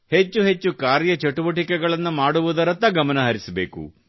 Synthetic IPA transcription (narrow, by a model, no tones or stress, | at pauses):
he̞t͡ʃːuɦet͡ʃːukaːɾjɐt͡ʃɐʈuʋɐʈ̬ikɛɡɐɭɐnːumaːɽuʋud̪ɐɾɐt̪ɐɡɐmɐnɐɦɐɾisɐbe̞ːkṵ